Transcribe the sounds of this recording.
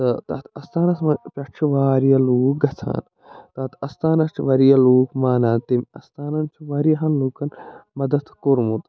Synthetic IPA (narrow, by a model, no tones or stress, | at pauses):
t̪ɐt̪ɐ̰t̪ʰɐst̪ʰaːnɐsmɐpʲɐt͡ʃʰuʋaːɾjɐluːk̚ɡɐt̪ʰa̰ːn | t̪ɐt̪ʰɐst̪aːnɐst͡ʃʰiʋɐɾijɐluːkmaːnaːnt̪imɐst̪aːnɐnt͡ʃʰiʋɐɾijɐɦɐnluːkɐnmɐd̪ɐt̪koɾmut̪